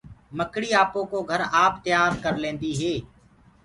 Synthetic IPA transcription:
məkɽiːaːpõːkoːɡʱəɾaːpt̪ɪjaːɾkəɾlẽːnd̪iːɦeː

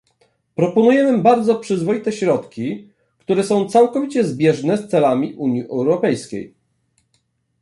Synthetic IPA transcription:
pɾɔpɔnujɛmɘbaɾd̪zɔpʂɘzvɔjit̪ɛɕɾɔt̪kʲi | kt̪uɾɛsɔ̃w̃t̪sawkɔvʲit͡ɕɛzbʲjɛʐnɛst̪sɛlamʲiʔuɲjiʔɛwɾɔpɛjskʲḛj

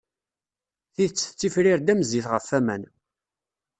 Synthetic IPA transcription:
θiðət͡sːθt͡sːifɾiɾd̪æməziθʁəfːæmæ̰n

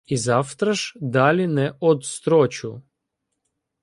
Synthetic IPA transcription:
izaft̪ɾaʃd̪alʲinɛʔod̪st̪ɾot͡ɕu

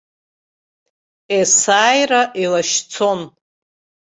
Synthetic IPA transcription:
esaːjraʔilaʃt͡sʰo̞n

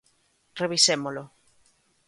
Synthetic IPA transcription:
reβisemolo

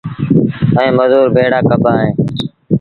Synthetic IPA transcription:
əẽːməzuːɾbʱeːɽaːkəbʱaːɦẽː

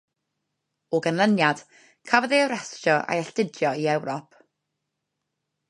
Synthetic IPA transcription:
oɡənlˠənjad̥ | kʰavəðeəɾɛsʃɔʔa̰jɛɬtɪdjɔiɛwɾɔpʰ

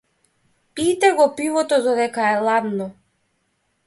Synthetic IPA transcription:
it̪ɛɡɔpivɔt̪ɔd̪ɔd̪ɛkaɛlˠad̪nɔ

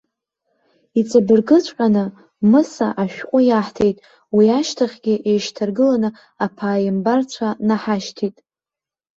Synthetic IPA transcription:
it͡sʼabɨrɡɨt͡ɕʷʰʼħʷʼanɨ | mɨsa̰ʔaʃᶣqʷʼʊjaħtʰe̞jtʼ | wiaʃtʰaχʲɡʲɪʔejʃtʰarɡɨlanɨ | apʰaːjɪmbart͡ɕʷʰanaħaʃtʰitʼ

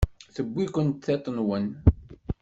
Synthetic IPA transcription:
θəbːikʷənt̪θet̪ˤːnwən

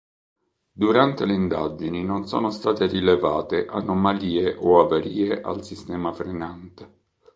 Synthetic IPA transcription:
d̪uɾant̪eleind̪a̰d͡ʒininonsɔ̰ːnost̪aːt̪erileva̰ːt̪eʔanomaliːeʔoavaɾiːeʔa̰lsist̪ɛːmafɾenant̪e

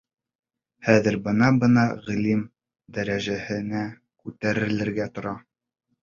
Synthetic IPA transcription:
hæðɘ̆ɾbɤ̆nɑbɤ̆nɑʁɘ̆lim | d̪æɾæʒæhɘ̆næ | kʉt̪æɾɘ̆lɘ̆ɾɡæt̪ŏɾɑ

